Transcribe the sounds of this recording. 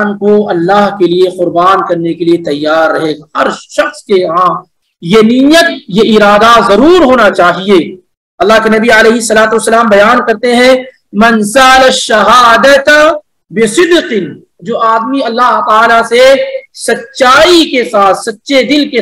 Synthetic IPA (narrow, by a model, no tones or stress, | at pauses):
nkoɐlːaːɦkelieqʊɾbaːnkɐɾnekeliet̪ɐjːaːɾːɐɦeːɡahɐɾʃɐxskeɦãː | jenijət̪jeʔɪɾaːd̪azɐɾuːɾɦoːnat͡ʃaːɦieː | ɐlːaɦkenɐbialeːɦɪsːɐlaːt̪uɐsːɐlaːmbɐjaːnkɐɾt̪eɦɛ̃ | mɐnsɐɐlɐʃːɐɦaːd̪ɐt̪ | bɪsɪd̪qɪn | d͡ʒoːʔaːd̪miɐlːaːɦt̪aːlasesɐtːʃaːikesaːt̪sɐtːʃʰed̪ɪlke